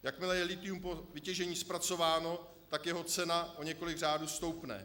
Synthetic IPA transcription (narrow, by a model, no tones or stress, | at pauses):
jakmɪlɛjɛlɪt̪ɪumpo̞vɪcɛʒɛɲiːspɾat͡so̞vaːno̞ | t̪akjɛɦo̞t͡sɛnaʔoɲɛko̞lɪɡraːduːst̪o̞wpnɛ̰